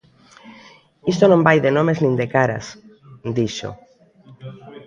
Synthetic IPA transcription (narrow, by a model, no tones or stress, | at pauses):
ist̪onõmbajðenõmeznĩnd̪ekaɾa̰s | d̪iʃo̰